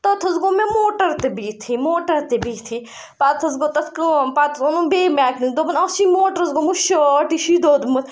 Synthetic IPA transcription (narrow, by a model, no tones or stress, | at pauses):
t̪ɐt̪ʰɐzɡomemoːʈɐɾt̪ebiːt̪ʰimoːʈɐɾt̪ebiːt̪ʰi | pat̪ʰɐzɡot̪ɐt̪ʰkpat̪ʰzonũbeːmaːknid̪oːbɐnɐsimoːʈɐɾɐzɡomuʃoʈiʃid̪oːd̪mut̪